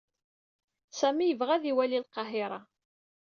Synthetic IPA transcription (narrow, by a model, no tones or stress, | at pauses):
sæmijəvʁæðiwælilqɑɦɪɾˤɑ